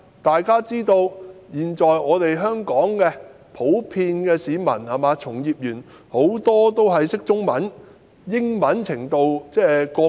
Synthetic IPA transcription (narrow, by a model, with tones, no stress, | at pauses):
t̪aː˨jkaː˥t͡siː˥t̪o˧wjiː˨nt͡ʃɔː˨jŋɔː˨˧t̪e˨jɦœː˥ŋkɔː˨˥ŋkɛː˧ | pʰo˨˥wpʰiː˧nkɛː˧siː˨˧mɐ̰˨˩nhaː˨maː˨˧t͡sʰʊ˨˩ŋjiː˨p̚jyː˨˩n | ho˨˥wt̪ɔː˥t̪o˥wɦɐ˨jsɪ˥k̚t͡sʊ˥ŋmɐ˨˥n | jɪ˥ŋmɐ˨˥nt͡sʰɪ˨˩ŋt̪o˨˧wt͡sɛː˥kɔː˧˥